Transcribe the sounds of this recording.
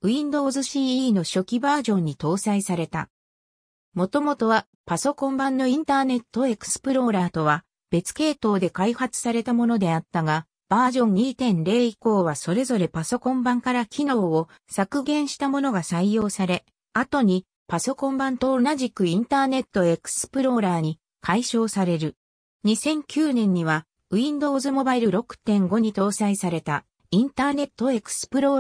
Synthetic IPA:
ɯ̟ĩnd̪o̞zɨɕiːno̞ɕo̞kʲibaːʑõ̞ɲ̟ːit̪o̞ːsaisaɾe̞t̪a̰ | mo̞t̪o̞mo̞t̪o̞βa | paso̞kõ̞mbãnːo̞ĩnt̪aːne̞t̪ːo̞e̞kɯ̥sɨ̥pɯ̟ɾo̞ːɾaːt̪o̞βa | b̥e̞t͡sɨ̥ke̞ːt̪o̞ːd̪e̞kaihat͡sɨ̥saɾe̞t̪amo̞no̞d̪e̞at̪ːaɡa | b̥aːʑõ̞ɲ̟ːiːt̪ẽ̞nɾe̞ːiko̞ːβaso̞ɾe̞zo̞ɾe̞paso̞kõ̞mbãŋkaɾakʲino̞ːo | sakɯ̟ɡẽ̞ɰ̃ɕi̥t̪amo̞no̞ɡasaijo̞ːsaɾe̞ | at̪o̞ɲ̟i | paso̞kõ̞mbãnt̪o̞naʑikɯ̟ĩnt̪aːne̞t̪ːo̞e̞kɯ̟̥sɨ̥pɯ̟ɾo̞ɾaːɲ̟i | kʰaiɕo̞ːsaɾe̞ɾɯ̟ | ɲ̟isẽ̞ŋkʲɨːnẽ̞ɲ̟ːiβ̞a | ɯ̟ĩnd̪o̞ːzɨmo̞baiɾɯ̟ɾo̞kɯ̟̥t̪ẽ̞ŋɡo̞ɲ̟it̪o̞ːsaisaɾe̞t̪a | ĩnt̪aːne̞t̪ːo̞e̞kɯ̟̥sɨ̥pɯ̟ɾoː

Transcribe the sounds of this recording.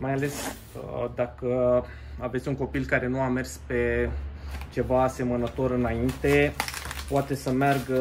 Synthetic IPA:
majale̞s | əd̪akə | ave̞t̪sʲuŋko̞pilkaɾe̞nuame̞rspe̞ | t͡ʃe̞vase̞mənət̪o̞ɾɨnaint̪e̞poat̪e̞səmearɡ

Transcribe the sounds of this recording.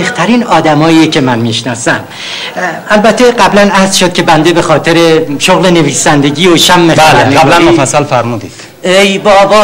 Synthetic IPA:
eht̪ʰæɾiːnɒːd̪æmɒːjiecʰe̞mænmiʃnɒːsæm | ælbæt̪ʰːe̞ɢæblænæhzʃod̪̚cʰʲe̞bænd̪ebe̞xɒːt̪ʰe̞ɾe̞ʃoɣle̞ne̞viːsænd̪e̞ɟʲiːoʃæmːeæleeæblænmofæsːælfæɾmuːd̪iːd̪̥ | ejbɒbɒː

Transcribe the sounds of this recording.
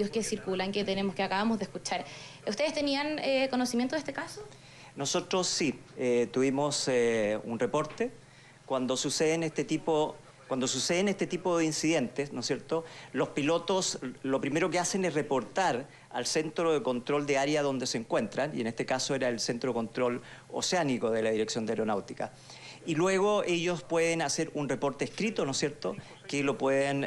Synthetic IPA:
oskesiɾkulaŋket̪enemoskeakaβamozðehkut͡ʃaɾust̪eest̪enianekonosimjent̪oðest̪ekaso | no̞sot̪ɾosːi | et̪uβimoseṵnrepo̞ɾt̪e | kwand̪osuseðenest̪et̪ipo | kwand̪o̞suseðenest̪et̪ipoðeinsiðent̪esnosjeɾt̪olo̞spilot̪oslopɾimeɾokeasenesrepo̞ɾt̪aɾ | alsent̪ɾoðeko̞nt̪ɾo̞ld̪eaɾjaðo̞nd̪eseːŋkwe̞nt̪ɾanienest̪ekasoeɾaelsent̪ɾoeko̞nt̪ɾo̞lo̰seanikoðelaðiɾeksjo̞nd̪eaeɾonawt̪ika̰ | ilweɣoeʝospweðenaseɾunrepo̞ɾt̪eːhkɾit̪onosje̞ɾt̪o | kelo̞pweðen

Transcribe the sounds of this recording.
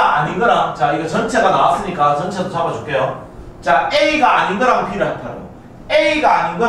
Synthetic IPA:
aɲinɡʌɾat͡ɕaiɡʌt͡ɕʌnt͡ɕʰe̞ɡanaas͈ɯɲik͈at͡ɕʌnt͡ɕʰedosʰabʌd͡ʑok͈ʰejot͡ɕaeiɡaːɲinɡʌɾaɡopʰiɾɯɦatʰaɾo̰ | eiɡaːɲinɡʌ

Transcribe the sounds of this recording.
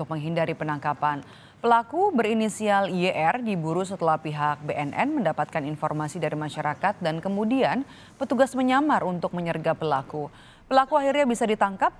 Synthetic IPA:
ʊk̚məŋɦindaɾipənaŋkapan | pəlakubəɾinisialieʔɛrdibuɾus̬ət̪əlahpiɦak̚beʔɛnʔɛ̰nməndapat̪̚kaninfɔrmasidaɾimaʃaɾakat̪̚dankəmudian | pət̪uɡasməɲamarunt̪ʊk̚məɲərɡapəlaku | pəlakuahirɲabisadit̪aŋkap̚

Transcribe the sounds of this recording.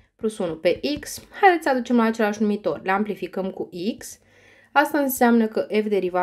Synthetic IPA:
plusunupe̞ʔikshajd̪et̪sʲsəad̪ut͡ʃe̞mlaːt͡ʃe̞laʃnumit̪o̞rʲleamplifikəmkuʔiks | ast̪aɨnseamnəkəʔe̞fd̪e̞ɾiva

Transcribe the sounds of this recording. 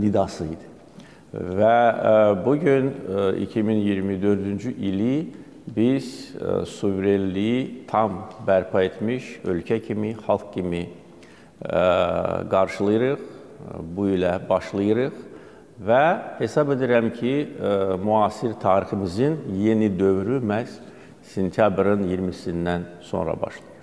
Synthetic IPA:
nid̪ɑsɯjd̪i̥ | væbuɟynḭcʰiminjiɾmid̪ø̞ɾd̪ynd͡ʒyʔili | biz̥suvɾelːit̪ʰɑmbæɾpʰɑe̞t̪ʰmiʃø̞lcʰæcʰimiχɑlˠk̚cimi | ɡɑɾʃɯlˠɯjɯɾɯχ | builɛbɑʃlˠɯjɯɾɯχ | væhe̞sɑbe̞d̪iɾæmcʰimuɑːsiɾt̪ʰɑːɾiχɯmizɯnje̞nid̪ø̞vɾymæs | se̞nt̪ʰjɑbɾɯnjiɾmisind̪ænso̞̰nɾɑ̰bɑ̰ʃlˠɯjɯ

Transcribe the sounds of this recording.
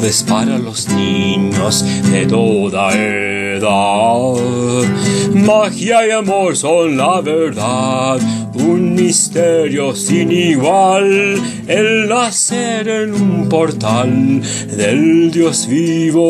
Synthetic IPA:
ðespaɾalozniɲozðḛt̪oðae | ðað | maxiajamoɾsonlaβeɾðað | unmist̪eɾjosiniɣwal | elnaseɾenumpoɾt̪al | ðeld̪josviβo

